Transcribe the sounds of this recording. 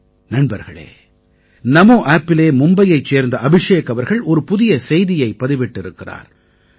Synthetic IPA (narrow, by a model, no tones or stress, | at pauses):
nɐɳbɐɾɣɐɭḛː | nɐmoːʔaːpːɪleːmʊmbɐjɐɪt͡ʃːeːɾnd̪ɐʔɐbɪʂeːkɐʋɐɾɣɐɭʔɔɾɯpʊðɪjɐsɛjðɪjɐɪpːɐðɪʋɪʈːɪɾɯkːɪra̰ːɾ